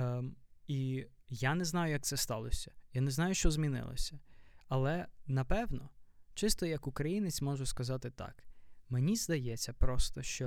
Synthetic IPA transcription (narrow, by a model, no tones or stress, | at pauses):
ijanɛznɑjʊjɐk̪̚sɛst̪ɑlˠɔsʲɐ̥janɛznɑjʊʃt͡ʃɔzmʲinɪ̰lˠɔ̰sʲɐɐlˠɛnɐpɛwnɔt͡ʃɪst̪ɔjɐkʊkɾɐjinɪt͡sʲmɔʒʊskɐzɑt̪ɪt̪ɑ̰kmenʲizd̪ɐjɛt͡sʲːɐpɾɔst̪ɔʃt͡ʃɔ